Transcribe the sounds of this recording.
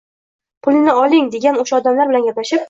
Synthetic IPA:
pʰʊlnɪɒlɪŋd̪e̞ɡʲanoʃaɒd̪amlaɾbɪlanɡʲaplaʃɪp̚

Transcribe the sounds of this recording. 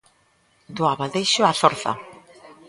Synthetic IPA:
d̪uaβald̪ejʃoafoɾθa̰

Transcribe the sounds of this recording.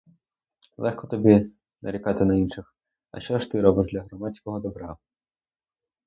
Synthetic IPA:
lˠɛxkɔt̪ɔbʲi | nʔɐ̰ɾʲikɑt̪ɪnɐinʃɪx | ɐ̰ʃt͡ʃɔʃt̪ɪɾɔbɔdlʲɐɦɾɔmatt͡sʲkɔɦɔd̪ɔbɾɑ

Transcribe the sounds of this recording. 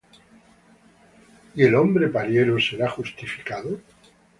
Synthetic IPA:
ie̞lo̞mbɾepaɾje̞ɾose̞ɾaxust̪ifi̥kaðo

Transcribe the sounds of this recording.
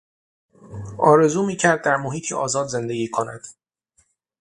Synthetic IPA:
ʔɒːɾe̞zuːmiːcʰæɾd̪̚ːæɾmohiːt̪ʰiʔɒ̰ːzɒːd̪ze̞nd̪e̞ɡʲiːkʰonæ̰d̪̥

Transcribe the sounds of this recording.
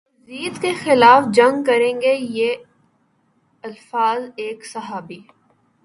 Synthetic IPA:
ziːd̪kexɪlaːfd͡ʒɐ̃ŋɡkɐɾẽːŋɡeje | ɐlfaːzeːksɐɦaːbiː

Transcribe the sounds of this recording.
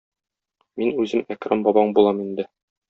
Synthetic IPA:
minʉzɘmækɾɑmbɒbɑɴbulˠɑmind̪ɘ

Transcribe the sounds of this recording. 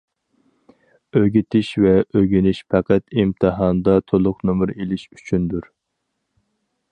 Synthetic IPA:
øɡʲit̪ʰɪʃvɛʔøɡʲinɪʃpʰɛqæt̪imt̪ʰɨɦɑnd̪ɑt̪ʰolˠʊqnomʊɾelɪʃy̥t͡ʃʰynd̪uɾ

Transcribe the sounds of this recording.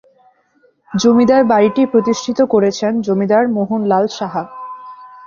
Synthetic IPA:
d͡ʑomid̪aɾbaɾiʈipɾot̪iʃʈʰit̪okoɾet͡ɕʰend͡ʑomid̪aɾmoɦunlalʃaɦa

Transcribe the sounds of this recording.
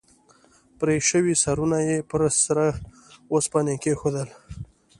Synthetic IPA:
pɾeʃəwisaɾunajepɾsɾa | wospɑnekexod̪əl

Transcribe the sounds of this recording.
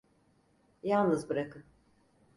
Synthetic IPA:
jalˠnɯzbɯɾakʰɯn

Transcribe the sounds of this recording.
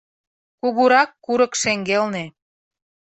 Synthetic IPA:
kuɣuɾɑkːuɾəkʃeŋɡelne

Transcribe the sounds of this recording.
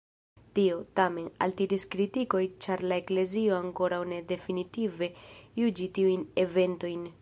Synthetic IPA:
tio̞tame̞na̰ltiɾiskɾitiko̞jt͡ʃaɾlae̞kle̞zio̞aŋko̞ɾawne̞de̞finitive̞jud͡ʒitiujne̞ve̞nto̞jn

